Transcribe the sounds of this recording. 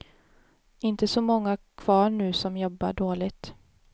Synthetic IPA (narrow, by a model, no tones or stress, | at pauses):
ɪnt̪əsɔmɔŋːakʰv̥ɑːɳʉ̟ːsɔmjɔbːaɖoːlɪt̪